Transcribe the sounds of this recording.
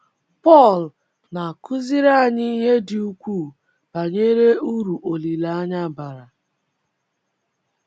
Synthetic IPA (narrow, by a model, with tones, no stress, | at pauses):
pɔ˦˨l | na˨kʰʊ˦zi˦ɾa˦a˨ɲɪ˦i˦ɦe˦dɪ˨u˦kʷuː˦˨ | b̥a˨ɲe˦ɾe˦u˦ɾu˨ʔo˨li˨la˨a˦ɲa˦ba˨ɾa˨